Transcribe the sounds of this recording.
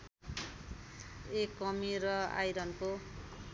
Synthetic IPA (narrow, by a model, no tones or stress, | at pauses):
ekːʌmiɾʌa̰jɾʌnko